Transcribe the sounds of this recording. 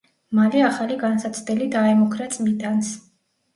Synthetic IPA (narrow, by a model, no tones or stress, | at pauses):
maliaχaliɡansat̪sʰvd̪ɛlid̪aɛmɔkʰɾat̪sʼmid̪ans